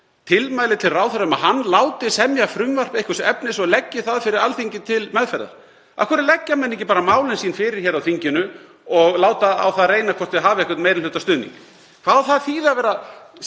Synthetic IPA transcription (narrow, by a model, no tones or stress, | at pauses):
t̪ʰɪlmaːjlɪt̪ʰɪlraːwθaɾʏmaðhanːlaːwt̪ɪsɛmjafɾʏmvar̥pejhkʏsɛpnɪsɔɣlɛcːɪθaðfɪɾɪɾalθiɲcɪt̪ʰɪlmɛðfɛɾða̰ɾ̥ | a̰kʰɛɾɪlɛcːamɛnːecɪpaːɾamaːwlɪnsiːnfɪɾɪɾ̥çɛːɾawθiɲcɪnʏ | ɔɣlaːwt̪aa̰wθaðrejnakʰvɔr̥t̪ɪɦaːvɪɛhkʏɾt̪meːjɾɪlʏːt̪ast̪ʏːðnḭŋk | kʰvaðθaðθiːðaðvɛːɾa